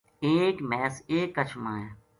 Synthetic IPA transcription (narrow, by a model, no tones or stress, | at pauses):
eːkmɛːseːkːət͡ʃʰmaːjeː